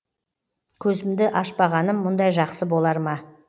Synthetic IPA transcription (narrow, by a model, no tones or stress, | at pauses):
kʲʰɵzɪmd̪ɪʔɑʃpɑʁɑnəmːʊnd̪ɑjʒɑqsəbo̞lˠɑɾmɑ